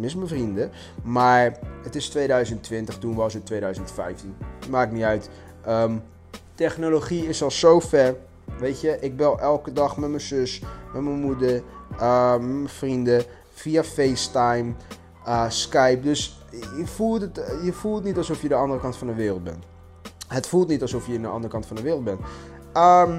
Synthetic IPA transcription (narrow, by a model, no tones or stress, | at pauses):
mɪsməfrində | maːɹətɪstʋeːdœɥzəntːʋɪntəxtunʋɔsətʋeːdœɥzəntfɛ̰jftinmaːɪkniœɥt | ʔəm | tɛxnoloxiɪsɔlˠsowfɛr | ʋeːtjəʔɪk̚bɛlˠʔɛlˠkədɑxmɛtməsøsmɛtməmudəɹəmɛməfrində | fiafejstajm | əskɛjp̚døs | jəfulˠtətjəfulˠtnitɑlˠsofjədəɑndərəkɑntfɑndəʋɪːrlˠt̚bɛ̰n | hətfulˠtnitɑlˠsofjəndəʔɑ̰ndərəkɑntfɔndəʋɪːrlˠt̚bɛn | əm